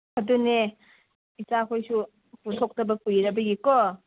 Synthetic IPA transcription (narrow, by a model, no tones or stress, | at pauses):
hɐdune | isakʰojsu | putʰok̚tɐbɐkujɾɐbɐɡikɔ